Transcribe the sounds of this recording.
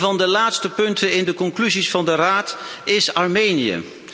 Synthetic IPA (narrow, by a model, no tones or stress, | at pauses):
vɑndəlaːtstəpɵntənɪndəkɔŋklyzisfɑndəraːtɪsɑɹmejnijə̰